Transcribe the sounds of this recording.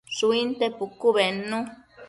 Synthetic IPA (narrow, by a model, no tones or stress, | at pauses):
suint̪epukuβenũ